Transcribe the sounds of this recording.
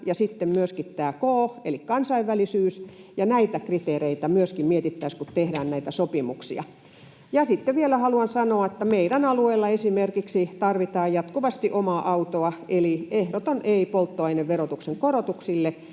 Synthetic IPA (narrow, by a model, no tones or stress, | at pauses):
jɑsit̪ːemmyøskit̪t̪æːkoːḛlikkɑnsɑiʋʋːælisyːsjɑnæit̪ækrit̪eːreit̪æmyøskimmiet̪it̪ːæiskut̪t̪ehdæːnnæit̪æsopimṵksḭɑ̰ | jɑsit̪ːeʋʋielæhɑluɑnsɑnoɑĕt̪ːæmeiɾænɑlueːlːɑesimerkiksit̪ɑrʋit̪ɑːjjɑt̪kuʋɑst̪iʔomɑʔɑut̪oɑeliehɾot̪onʔeipolt̪ːoɑineʋʋerot̪ukseŋkorot̪uksilːe